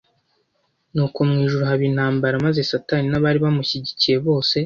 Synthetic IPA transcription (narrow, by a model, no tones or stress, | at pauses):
nuːkumŋiːʒuɾuɦaβin̥haːmbaɾamaze̞sataːninaβaːɾiβamuçiɟicije̞βo̞ːse̞